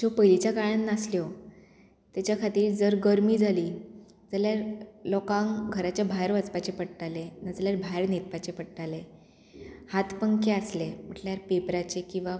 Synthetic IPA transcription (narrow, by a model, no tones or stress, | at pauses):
d͡ʑopəjlit͡ɕjakaɭanːasljo | t̪jat͡ɕjakʰat̪iːɾd͡zəɾɡəɾmiːd͡zʱaliː | d͡zaljaɾlɔkãŋɡʱəɾat͡ɕjabʱajɾʋat͡spat͡ɕepəɽʈalenad͡zljaɾbʱajɾnet̪̚pat͡ɕepəɽʈale | hat̪ʰpəŋkeaslem̤əʈljaɾpepɾat͡ɕekĩw̃ʋa